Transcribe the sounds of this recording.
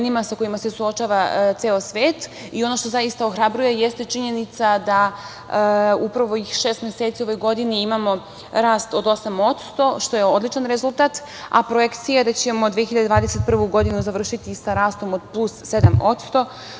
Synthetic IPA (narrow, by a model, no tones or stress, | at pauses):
nimasako̞imase̞suot͡ʃaːʋat̪seːosʋeːt̪io̞no̞ʃt̪o̞zajist̪ao̞xɾabɾuje̞jest̪e̞t͡ʃiɲe̞nit̪sad̪a | upɾaʋo̞ixʃe̞ːst̪mje̞seːt̪sio̞ʋo̞jɡo̞d̪iniimamo̞ | ɾaːst̪o̞d̪o̞samo̞t̪st̪o̞ʃt̪o̞jeo̞d̪lˠit͡ʃanɾe̞zulˠt̪at̪ | a̰pɾoje̞kt̪sijad̪at͡ɕe̞mo̞d̪ʋijeçiʎad̪d̪vaːd̪ese̞t̪̚pr̩ʋuɡo̞d̪inuzaʋr̩ʃit̪isaɾaːst̪o̞mod̪̚plˠusːe̞d̪amo̞t̪st̪o̞